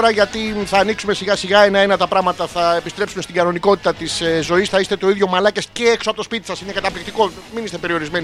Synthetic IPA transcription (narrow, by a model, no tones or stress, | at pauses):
ɾɐʝɐt̪iθɐːniksume̞siɣɐsiɣɐenɐenɐt̪ɐpɾɐɣmɐt̪ɐθɐepist̪ɾe̞psume̞st̪iɡɐno̞niko̞t̪i̥t̪ɐt̪isezo̞isθɐist̪e̞t̪o̞iðʝo̞mɐlɐce̞sce̞eksoɐpot̪ospit̪isɐsine̞kɐt̪ɐplik̚t̪iko̞ | minist̪e̞pe̞ɾio̞ɾizme̞ni